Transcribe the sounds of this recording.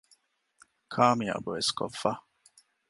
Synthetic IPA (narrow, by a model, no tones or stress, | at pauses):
kʰaːmia̰boeskʰofːa